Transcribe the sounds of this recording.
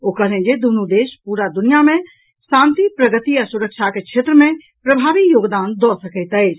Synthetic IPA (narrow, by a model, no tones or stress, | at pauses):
okəɦlẽd͡ʒed̪unud̪eʃpuɾad̪unijamẽ | sãnt̪ipɾəɡət̪iəsuɾək̚t͡ʃʰakekt͡ʃʰet̪ɾəme | pɾəbʱabikjoːɡd̪and̪ɔsəkəɪt̪əɪt͡ʃ